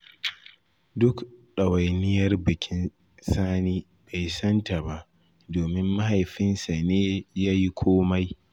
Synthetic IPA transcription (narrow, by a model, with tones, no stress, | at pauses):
dʊ˦kɗɐ˨wa˨jnɪ˦jɐ˦rbɪ˨kʲʰɪ˦n | saː˦niː˦ | ba˨jsɐ˦nta˨ba˨ʔ | doː˨mɪ˦mːa˦ɦa˨jɸɪ˦nsa˨neː˦jaː˦ji˦kʷʰoː˦ma˦j